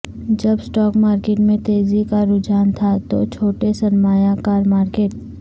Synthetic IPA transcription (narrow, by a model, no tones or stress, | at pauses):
d͡ʒɐbsʈɔːkmaːɾkeːʈmẽt̪eːzikaɾʊd͡ʒaːnt̪ʰat̪o̰t͡ʃʰoːʈesɐnmaːjakaːɾmaːɾkeːʈ̚